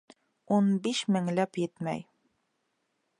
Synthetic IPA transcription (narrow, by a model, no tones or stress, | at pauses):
unbiʃmɘ̆ŋlæpjɘt̪mæ̰j